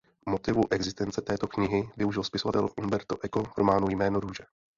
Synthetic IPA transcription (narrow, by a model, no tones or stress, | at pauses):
mo̞t̪ɪvuʔɛɡzɪst̪ɛnt͡sɛt̪ɛːt̪o̞kɲɪɦɪvɪuʒɪlspɪso̞vat̪ɛ̰lfʔunbɛɾt̪oʔɛko̞vɾomaːnujmɛːnoɾuːʒɛ